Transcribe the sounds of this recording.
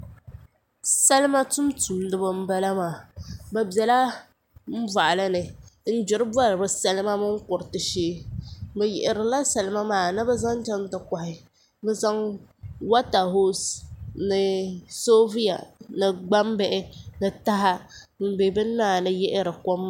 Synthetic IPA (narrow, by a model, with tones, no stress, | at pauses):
sa˦lɨ˦ma˦tʊ˦mtuː˨n˦dɨ˦bɨ˦m̩˦ba˦la˦maː˨ba˨bɛ˨la˦ | m̩˦va˨ʔa˨la˦nɨ˨n̩˦d͡ʒʊ˨ɾɨ˦bwa˦lɨ˨bɨ˨sa˨lɨ˦ma˦mɨ˦ŋ̩˦kʊ˨ɾɨ˨tɨ˨ʃeː˦bɨ˨jɛ̰˨ʔɪ˨ɾɨ˨la˦sa˨lɨ˦ma˦maː˨nɨ˦bɛ˦za˦ŋ˦d͡ʒɛ˦n˦tɨ˨ka˨hɪ˨ | bɛ˦za˦ŋwa˦ta˨ɦo˦snɨ˨so˦vi˦ja̰˨nɨ˨ɡ͡ba˦m˦bɛ˦ʔɪ˦nɨ˨ta˦ɦa˦ | m̩˦˨be˨bɨ˦nːaː˦˨nɨ˦jɛ˦ʔɪ˦ɾɨ˨ko˦m˦